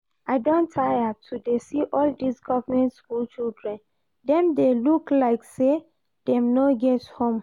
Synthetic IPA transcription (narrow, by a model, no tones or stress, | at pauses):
ʔaɪdõntʰajatʰudesiʔɔldisɡɔvəmɛ̃ntskult͡ʃildɹɛ̃n | dɛ̃mdeluklaɪkse | d̥ɛ̃mnoɡɛthõm